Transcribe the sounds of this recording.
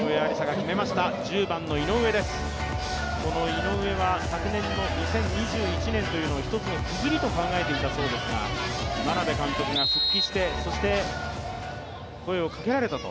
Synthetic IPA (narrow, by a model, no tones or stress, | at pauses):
ɯ̟e̞aɾʲisaɡakʲime̞maɕi̥t̪ad͡ʑɨːbãnːo̞ino̞ɯ̟βe̞d̪e̞sɨ̥ | ko̞no̞ino̞ɯ̟e̞βasakɯ̟nẽ̞nːo̞ɲ̟isẽ̞ɲ̟ɲːiʑɨːit͡ɕinẽ̞nt̪o̞jɯ̟no̞oçi̥t̪o̞t͡sɨnot͡sɨzɨɾʲit̪o̞kãŋɡae̞t̪e̞it̪aso̞ɾod̪e̞sɨɡa̰manabe̞kãŋkʲo̞kɯ̟ɡaɕɨkʲːiɕi̥t̪e̞so̞ɕi̥t̪e̞ | ko̞e̞o̞kake̞ɾaɾe̞t̪at̪o̞̰